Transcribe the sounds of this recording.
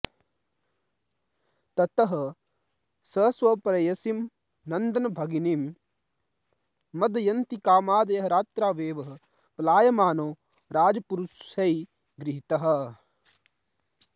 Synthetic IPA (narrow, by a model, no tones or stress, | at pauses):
t̪ɐt̪ɐɦɐ̆ | sɐːsʋɐpɾɐjɐsim | nɐnd̪ɐnɐbʱɐɡinim | ɐd̪ɐjɐnt̪ikaːmaːd̪ɐjɐɦɐɾaːt̪ɾaːʋeːʋɐɦɐ̆ | plaːjɐmaːnoː | ɾaːd͡ʒɐpuɾuʃɐi | ɡɾɪɦit̪ɐɦɐ̆